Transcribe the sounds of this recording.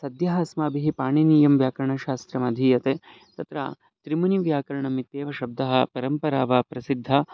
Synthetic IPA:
sɐd̪jɐɦɐsmaːbiɦipaːɳiniːjɐmʋjaːkɐɾɐɳɐʃaːst̪ɾɐmɐd̪ʱiːjɐt̪eː | t̪ɐt̪ɾa̰ | t̪ɾimɐniʋjaːkɐɾɐɳɐmit̪jeːʋɐʃɐb̚d̪ʱɐɦɐ̆pɐɾɐmpɐɾaːʋapɾɐsid̪ʱːɐ

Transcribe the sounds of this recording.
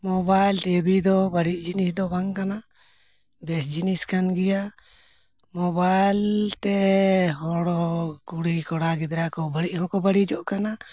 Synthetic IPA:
mɔbajlʈɛbid̪ɔbəɽiʔ̚d͡ʒinisd̪ɔbaŋkana | bɛsd͡ʒiniskanɡɛja | mɔbajlt̪ɛɦɔɽɔkuɽikɔɽaɡɛd̪ɾakɔbəɽiʔhɔ̃kɔbəɽid͡ʒɔʔkana

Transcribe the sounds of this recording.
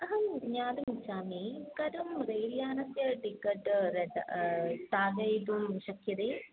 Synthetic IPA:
ɐɦɐmɲaːd̪umut͡ɕːaːmikɐɾumɾeːlijaːnɐsjɐʈikːɐʈːɾed̪̰ | ʈaːɾɡɐjʈumɕɐkʰjɐd̪eː

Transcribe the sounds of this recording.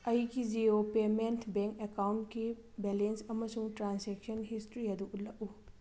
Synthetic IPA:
ɐjɡid͡ʒiopementʰbeŋkekawntki | belensɐmɐsuŋtɾanseksɐnɦistɾiɐduʔut̚lɐku

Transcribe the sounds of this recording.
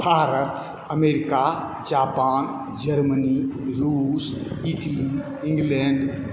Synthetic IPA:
bʱaːɾət̪ | əmeɾika | d͡ʒaːpaːn | d͡ʒəɾməniɾusiʈəli | ĩŋɡlɛɳɖ

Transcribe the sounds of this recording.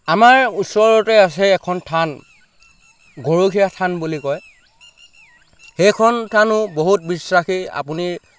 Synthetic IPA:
amaɹusɔɹɔtɛas̬ɛːkʰɔntʰan | ɡoɹokʰijatʰanbulikɔj | xejkʰɔntʰanʊboɦut̚bisɹaxia̰puni

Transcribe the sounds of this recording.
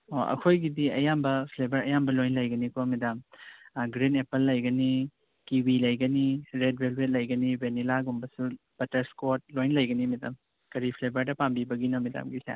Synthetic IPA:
oʔɐ̰kʰojɡidiɐjambɐpʰlebɐɾɐjambɐlojnlɐjɡɐnikomidamɡɾinepɐlːɐjɡɐni | kiwilɐjɡɐniɾed̚belwet̚lɐjɡɐnibenilaɡumbɐsu | b̥ɐtɐɾskot̚lojnlɐjɡɐnimida̰m | kɐɾipʰlebʱɐɾdɐpambibɐɡinomida̰mɡisa̰

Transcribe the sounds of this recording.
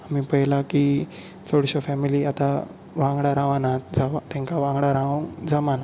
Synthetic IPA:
amipəjlaki | t͡sɔɽɕɔfɛmiliat̪a | ʋãŋɡɽaɾãʋanad͡zaʋat̪ɛ̃ŋkaʋãŋɡɽaɾãʋuŋd͡zamana

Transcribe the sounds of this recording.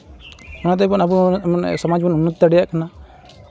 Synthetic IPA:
ɔnat̪ɛp̬ɔnabunsɔmad͡ʒbɔnunːut̪ːəɽijaʔkʰana

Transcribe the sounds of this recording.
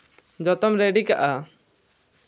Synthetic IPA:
d͡ʒɔt̪ɔmɾeɖikaʔa

